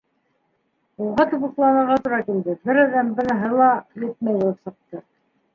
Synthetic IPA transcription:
ulʁɑt̪uβɤ̆qlˠɑnɤ̆ɾʁɑt̪uɾɑkild̪ɘbɘɾɑðæmbɤ̆nɤ̆ɦɤlˠɑjɘ̆t̪̚mæjbulˠɤpsɤ̆q̚t̪ɤ

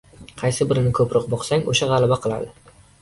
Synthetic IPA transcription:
qʰɑjsɪbɪɾɪnɪkʰɵpɾɒqbɒqsaŋoʃaʁɑlˠabaqʰɨlˠa̰d̪ɪ

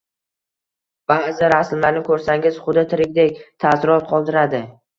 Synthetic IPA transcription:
b̥azɪɾasmlaɾnɪkʰɵɾsaŋɪz̥χʊd̪ɪt̪ʰɪɾɪkʲd̪ek̚ʲt̪ʰasɪɾɒt̪̚qʰɒlˠd̪ɪɾad̪ɪ

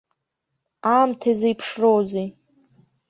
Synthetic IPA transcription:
amtʰazejpʰʂrowze

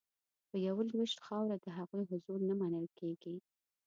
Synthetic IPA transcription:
pəjawəlwɪʃt̪xɑwɾad̪əɦaɣujɦʊzulnamanəlkeɡ̥i

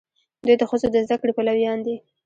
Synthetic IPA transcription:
d̪ujd̪əxəzod̪əzd̪akɽepalawjɑnd̪i

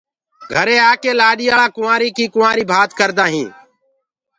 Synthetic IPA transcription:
ɡʱəɾẽːaːkeːlaːɗiːaːlãːkʊʋãːɾiːkiːkʊːãːɾiːbʱaːt̪kəɾd̪aːɦĩː

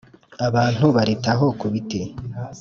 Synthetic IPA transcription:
aβaːn̥huβaɾetaɦokuβite

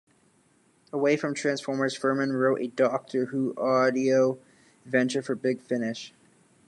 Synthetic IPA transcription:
əweɪfɹʌ̃mtʰɹ̥æ̃nsfɔɹmə˞z̥fɜ˞mɨ̃nɹoʊɾʔɨ̰dɔk̚tʰə˞huʔɔɾioʊ | vɛ̃nt͡ʃə˞fə˞bɪɡ̥fɪnɪʃ

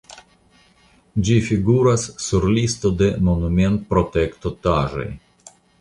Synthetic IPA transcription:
d͡ʒifiɡuɾasːuɾlist̪o̞d̪e̞mo̞nume̞nt̪pɾo̞t̪ekt̪ot̪aʒo̞̰j

